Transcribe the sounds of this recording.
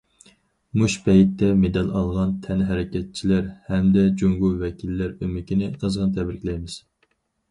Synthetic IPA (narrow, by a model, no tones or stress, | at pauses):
muʃbɛjit̪ʰːɛmed̪ɛlɑlˠʁɑnt̪ʰɛnɦæɾɪkʲʰɛt̪̚t͡ʃʰilæɾhɛmd̪ɛd͡ʒoŋɡuvɛkʲilːæɾømɪkʲʰinɪqʰəzʁənt̪ʰɛbɾɪkʲlɛjmɪz̥